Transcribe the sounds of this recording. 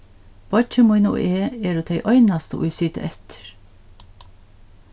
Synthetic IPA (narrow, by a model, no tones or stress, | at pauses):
b̥ɑt͡ʃəmʊɪnṵːʔeːeːɾoːt̪ʰeɪʔœʏnɑst̪ə̰ʔʊ̰ɪsiːt̪ə̰ʔɛt̪ʰə̥ɹ